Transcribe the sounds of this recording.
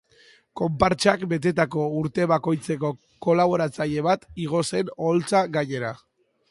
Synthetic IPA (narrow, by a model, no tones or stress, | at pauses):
ko̞mpaɾt͡ʃakbe̞t̪e̞t̪ako̞uɾt̪e̞βako̞jt͡se̞ko̞ | ko̞laβ̞o̞ɾat͡saʎe̞β̞at̪iɣ̞o̞se̞no̞lt͡saɡaɲe̞ɾa